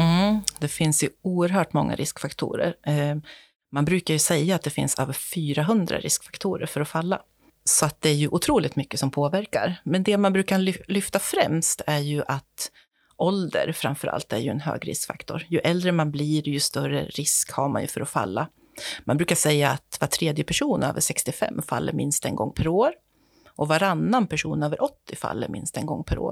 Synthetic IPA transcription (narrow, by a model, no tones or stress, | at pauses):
d̪ɛfɪnsjɵuːəɾɦœːʈmɔŋːa̰ɾʔɪskfakt̪ʰṵːɾə̰ɾ | manbɾʉ̟ːkaɾjɵsɛjːaat̪̚d̪ɛfɪ̰nsa̰vfyːɾaɦɵnd̪ɾa̰ɾʔɪ̰skfḁkt̪ʰuːɾə̰ɾfœɾɔfalːa | sɔat̪̚d̪ɛæɾjɵʔʊt̪ʰɾuːlɪt̪mʏkːəsɔmpʰoːvæɾkaɾmɛnd̪ɛmanbɾʉ̟ːkalʏlʏft̪afɾɛmst̪æɾjɵʔat̪ | ʔɔld̪ə̰ɾfɾa̰mfœɾʔa̰lt̪æɾjɵɛnɦø̰ːɡɾɪ̰skfa̰kt̪ʰɔɾjɵʔɛld̪ɾəmanbliːɾjɵst̪œrə̰ɾɪskhaɾma̰njɵ̰fœɾɔfa̰lːa | ma̰nbɾʉːkaʂɛjːaːt̪vaʈʰɾeːd̪jəpʰæʂuːnø̰ːvəʂɛkst̪ɪfɛ̰mːfa̰lːəɾmɪnst̪ɛnɡɔ̰ŋːpʰæɾoːɾ | ʔɔvaɾanːanpʰæʂuːnøːvəɾʔɔt̪ːɪfa̰lːə̰ɾmʔɪ̰nst̪ɛnɡɔŋːpʰæɾo̰ːɾ